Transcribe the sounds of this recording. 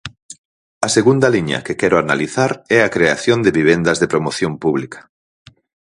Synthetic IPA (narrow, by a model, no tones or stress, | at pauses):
ɐseɣund̪ɐliɲɐ̰kɪkɛɾoanaliθaɾɛakɾeaθjõnd̪eβiβ̞end̪ɐzðepɾomoθjompuβlikɐ̥